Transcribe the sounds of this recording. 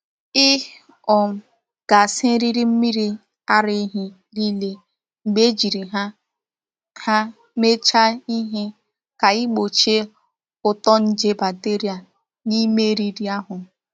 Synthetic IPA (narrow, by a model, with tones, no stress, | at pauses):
ɪ˦ | ɔ˨ | ɡ̥a˨sɪ˦ɾi˦ɾi˦m̩˦mi˦ɾi˦ | a˦ɾe˦ɦi˦ | ɾi˦le˦ | ŋ͡m̩˨ɡ͡be˦d͡ʒi˨ɾi˨ɦa˦ | ha˦ | me˦t͡ʃa˦i˦ɦɪ˦ | ka˨ɪ˦ɡ͡bo˨t͡ʃe˦ | ʊ˨tɔ˦n̩˦d͡ʒe˦ba˨te˦ɾi˦a˨ | ni˦me˦ɾi˦ɾi˦a˦ɦʊ˨